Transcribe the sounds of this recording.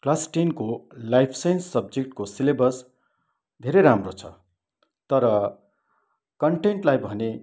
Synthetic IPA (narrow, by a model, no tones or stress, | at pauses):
klasʈinkolajpʰsensːʌbd͡zek̚ʈkosilebʌs | d̪ʱeɾejɾamrot͡sʰʌ̰ | t̪ʌɾʌ | kʌɳʈeɳʈlajbʱʌne